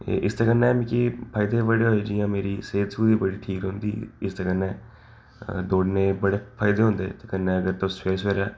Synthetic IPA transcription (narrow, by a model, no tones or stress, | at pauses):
ʔɪst̪akənːeɛmĩkipʰaːɪd̪ebəɽeɦoːed͡ʒijãːmeːɾiseːt̪sbuːd̪ibəɽiʈʰiːkõːnd̪iːɪst̪akənːɛː | d̪oːɖnẽbəɽepʰaːɪd̪eɦõːnd̪ḛːt̪ekənːeːəɡəɾt̪osweːsʋeːɾɛː